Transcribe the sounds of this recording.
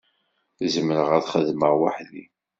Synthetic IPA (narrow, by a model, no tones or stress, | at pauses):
θzəmɾəʁæðχəðməʁwa̰ħðḭ